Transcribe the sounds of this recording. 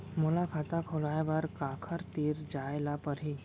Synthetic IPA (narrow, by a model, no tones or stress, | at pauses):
mulakʰat̪akʰolajbaɾkakʰəɾt̪iːɾd͡ʒajlapəɾɦi